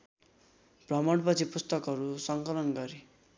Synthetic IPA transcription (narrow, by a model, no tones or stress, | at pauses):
brʌmʌɽpʌt͡sʰipust̪ʌkɦʌɾusʌŋkʌlʌnɡʌɾi